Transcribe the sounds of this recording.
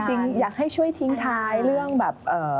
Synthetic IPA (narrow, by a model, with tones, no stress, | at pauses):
t͡ɕi˧ŋjaː˨˩k̚ha˥˩jt͡ɕʰu˥˩əjt̪ʰi˦˥ŋt̪ʰaː˦˥jɾɯ˥˩əŋbɛː˨˩p̚ʔɤː˨˩